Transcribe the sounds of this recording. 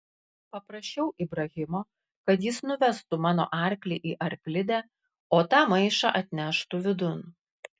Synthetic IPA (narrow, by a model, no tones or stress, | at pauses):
pɐpɾɐʃʲt͡ʃʲɛʊʔibɾɐɣʲɪmoː | kɐt̪jɪsnʊʋʲɛst̪umɑːno̰ːʔɑˑɾʲklʲiːʔiːʔɐɾʲklʲɪd̪ʲæː | oːt̪ɑːmɐɪʃɑ̰ʔɐt̪ʲnʲæʃt̪uːʋʲɪd̪ʊn